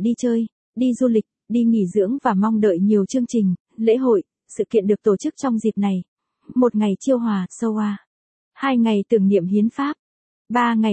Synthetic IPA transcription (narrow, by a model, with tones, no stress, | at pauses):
ɗi˧t͡ɕəː˧j | ɗi˧zu˧lï˨˩k̟̚ɗi˧ŋḭ˧˩zɨ̰˧˥əŋvaː˨˩mɔ˧wŋ͡mɗə̰ː˧˨jɲi˨˩əwt͡ɕɨ˧əŋt͡ɕï˨˩ŋ̟ | lḛ˧˥ɦo̰˧˨j | sɨ̰˧˨kḭ˧˨ənɗɨ˨˩ək̚t̪o˧˩t͡ɕɨ˦˥k̚t͡ɕɔ˧wŋ͡mzi˨˩t̚na˨˩j | mo˨˩t̚ŋa˨˩jt͡ɕi˧əwɦwaː˨˩sə˧wʔaː˧ | haː˧jŋa˨˩jt̪ɨ˨˩əŋnḭ˧˨əmhi˨˦ənfaː˦˥p̚ | ɓaː˨˩ŋa˨˩